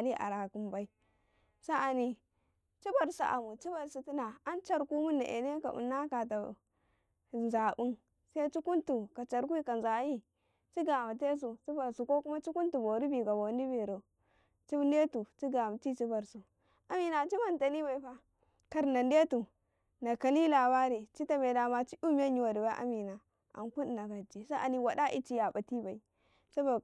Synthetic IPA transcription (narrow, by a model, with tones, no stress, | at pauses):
li˦ʔa̰˨ɾa˨ku˦mba˨i˦ | sa˦a˨ni˦ | t͡ʃi˦ba˨ɾsṵ˨ʔa̰˨mu˨t͡ʃi˦ba˨ɾsu˨ti˦na˨a˦nt͡ʃa˦ɾku˦mu˦na̰˨ʔḛ˨ne˦ka̰˨ʔṵ˨nːa˦ka˨t̬a˨ | nza˨bu˦n | sa˦t͡ʃi˦ku˦ntu˨ka˨t͡ʃa˨ɾk̬ʷi˦ka˨nza˨ji˦ | t͡ʃi˦ɡa˨ma˨t̬e˦s̬u˨t͡ʃi˦ba˨ɾsu˨ko˦ku˦ma˦t͡ʃi˦ku˦ntu˨bo˨ɾi˦bi˨ka˨bo˨ni˦bi˨ɾo˨ | t͡ʃi˦n˦e˦tu˨t͡ʃi˦ɡa˨ma˨ti˦t͡ʃi˦ba˨ɾsu˨ | a˨mi˨na˨t͡ʃi˦ma˨nta˨ni˦ba˨i˨ɸa˦ | ka˨ɾna˨nde˦tu˨ | na˨ka˨li˦la˨ba˦ɾi˨t͡ʃi˦ta˨me˨da˨ma˨t͡ʃi˦u˦m˦a˦ɲi˨wa˨di˨ba˦ʔa̰˦mi˨na˨ | a̰˨nku˦n˨na˨ka˨d͡ʒi˨sa˦a̰˨ni˦wa˨da˦ʔi˦t͡ʃi˦ja˨ba˨ti˦ba˨i˨ | sa˦bo˨